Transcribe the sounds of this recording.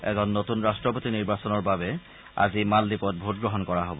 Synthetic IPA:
ɛ̰zɔnːotunɹastɹɔpotiniɹbasɔnɔɹbabɛ | a̰zimaldipɔt̚bʱut̚ɡɹɔɦɔnkɔɹaɦobɔ

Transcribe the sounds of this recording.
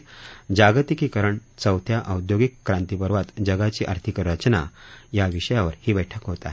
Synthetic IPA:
d͡ʑaɡt̪ikiːkəɾəɳt͡səwt̪ʰjaʔəwd̪joɡikːɾãnt̪ipəɾʋat̪d͡ʑəɡat͡ɕiːʔə̰ɾt̪ʰikəɾɾət͡ɕəna̰jaʋiɕəjaʋəɾhiːbəjʈʰəkɦot̪a̰ɦ

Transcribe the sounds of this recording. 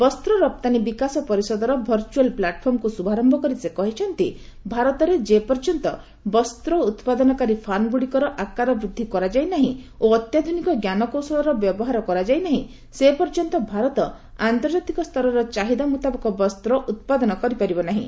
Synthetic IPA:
bɔst̪ɾɔɾɔp̚t̪anibikasɔpɔɾisɔd̪ɔɾɔbʱɔɾt͡ʃualplaʈpʰɔɾmɔkusubʱaɾɔmbʱɔkɔɾisekɔɦit͡ʃʰɔnt̪i | bʱaɾɔt̪ɔɾed͡ʒepɔɾd͡ʒɔnt̪ɔ | bɔst̪ɾɔut̪pad̪ɔnɔkaɾipʰanɡuɽikɔɾɔʔakaɾɔbɾud̪ʱːikɔɾad͡ʒajnaɦĩoɔt̪jad̪ʱunikɔɡjanɔkowsɔlɔɾɔbjɔbɔɦaɾɔkɔɾad͡ʒajnaɦĩ | sepɔɾd͡ʒɔnt̪ɔbʱaɾɔt̪ɔ | ant̪ɔɾd͡ʒat̪ikɔst̪ʰɔɾɔɾɔt͡ʃaɦid̪amut̪abɔkɔbɔst̪ɾɔʔut̪̚pad̪ɔnɔkɔɾipaɾibɔnaɦḭ̃

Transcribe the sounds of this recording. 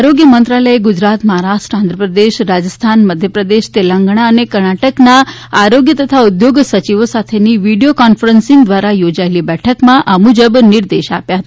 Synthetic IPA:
ɾoɡjəmənt̪ɾaləeɡʊd͡ʒɾat̪məɦaɾaʃʈɾəãnd̪ʱɾəpɾəd̪eʃɾad͡ʒəst̪ʰanməd̪ʱjəpɾəd̪eʃt̪elãŋɡɳ̃aənekəɾɳaʈəknaː | ɾoɡjət̪ət̪ʰaud̪joɡsət͡ʃiʋosat̪ʰeniʋiɖijokɔnfəɾənsĩŋɡd̪ʋaɾajod͡ʒaelibɛʈʰəkmãʔamud͡ʒəbnɪɾd̪eʃapjaɦət̪aa

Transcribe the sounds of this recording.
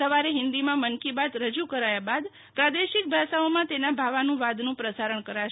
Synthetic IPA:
əʋaɾeɦɪ̃nd̪imãmənkibat̪ɾəd͡ʒukəɾajabad̪ | pɾad̪eʃɪk̚bʱaʃaomãt̪enabʱaʋanũʋad̪nũpɾəsaɾəɳkəɾaʃ

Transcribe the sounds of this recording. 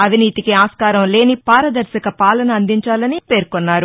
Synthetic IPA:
ɐʋʱiniːt̪ikiaːskaːɾɐmle̞ːnipaːɾɐd̪ɐɾʃɐkɐpaːlɐnɐːnd̪iɲt͡ʃaːlɐnipe̞ːɾkonːaːɾu

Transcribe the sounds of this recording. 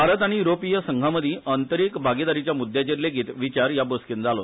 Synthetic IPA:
baɾət̪aɽ̃ijuɾopijəsəŋɡʱaməd̪ʱiʔənt̪əɾikbʱaɡid̪aɾit͡ɕjamud̪ʱːjat͡ɕeɾleɡiːt̪ʋit͡ɕaɾjaboskind͡zalo

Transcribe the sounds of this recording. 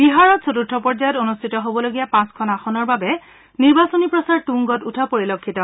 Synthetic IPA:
b̥iɦaɹɔtsʰotutʰːɔpɔɹzajɔtonustʰitɔɦobɔloɡijapãskʰɔnaxɔnɔɹbabɛ | niɹbasonipɹɔsaɹtuŋɡɔtutʰapoɹilokʰːitɔ

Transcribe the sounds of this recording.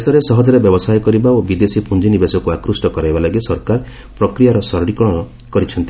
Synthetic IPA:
sɔɾesɔɦɔd͡ʒɔɾebjɔbɔsajkɔɾibaobid̪esipund͡ʒinibesɔkuakɾusʈɔkɔɾajbalaɡisɔɾkaɾ | pɾɔkɾijaɾɔsɔɾɽikɔɽ̃ɔ | kɔɾit͡ʃʰɔnt̪i

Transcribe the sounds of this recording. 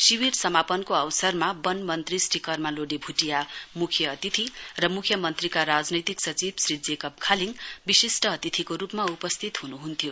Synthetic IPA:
siwirsʌmapʌnkoʌwsʌrmabʌnmʌnt̪risʈikʌrmaloɽibʱuʈijamukʰjʌʌt̪it̪ʰirʌmukʰjʌmʌnt̪rikaɾad͡znʌjt̪iksʌt͡sibsrid͡zekʌp̚kʰaliŋbisesʈʌːt̪it̪ʰikoɾupmaupʌst̪ʰit̪ɦunuɦunt̪ʰjo

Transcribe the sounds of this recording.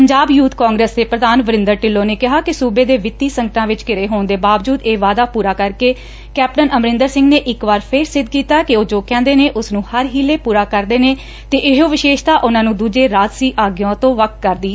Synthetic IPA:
pəɲd͡ʒaːbjuːt̪kãːŋɡɾeːsd̪eːpɾəd̪aːnʋəɾɪ̃nd̪əɾʈɪlːoːneːkɪɦaːkɪsuːbeːd̪eːʋɪt̪ːiːsəŋɡəʈãːʋɪt͡ʃkɪɾeːɦoːɳd̪eːbaːʋd͡ʒuːd̪eːʋaːd̪aːpuːɾaːkəɾkeː | kɛːp̚ʈənʔəmɾɪ̃nd̪əɾsɪ̃ŋɡneːʔɪkʋaːɾpʰɪɾsɪd̪̚kiːt̪aːkɪoːd͡ʒoːkɛ̃ːnd̪eːneːʔʊsnũːhəɾɦiːleːpuːɾaːkəɾd̪eːneː | t̪eːʔɪɦoːʋɪʃeːʃt̪aːʔʊnãːnũːd̪uːd͡ʒeːɾaːt̪siːʔaːɡjõːt̪õːʋək̚kəɾd̪iː

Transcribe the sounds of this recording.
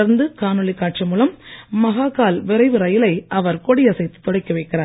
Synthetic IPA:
ɐɾnd̪ɯkaːnɔɭɪkːaːʈ̚t͡ʃɐmuːlɐmːɐɣaːkaːlʋɪɾɐɪʋɯɾɐjɪlɐɪʔɐʋɐɾkɔɽɪjɐsɐɪt̪ːɯ̥t̪ːɔɽɐɪkːɐʋɐɪkːɪraːɾ

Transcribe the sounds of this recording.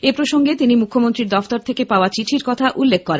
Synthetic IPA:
epɾoʃoŋɡet̪inimukʰːomont̪ɾiɾd̪ɔft̪oɾt̪ʰekepaoat͡ɕiʈʰiɾkɔt̪ʰaʔulːekʰːkːɔɾen

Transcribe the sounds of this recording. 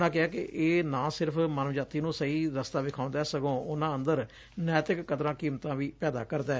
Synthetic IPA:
nãːkɪaːkɪʔeːnãːsɪɾəpʰmənəʋd͡ʒaːt̪iːnũːsəiːɾəst̪aːʋɪkʰaːʊ̃nd̪aːsəɡõːʊnãːənd̪əɾ | nɛːt̪ɪkːət̪ɾãːkiːmt̪ãːʋiːpɛːd̪a̰ːkəɾd̪aːɛ

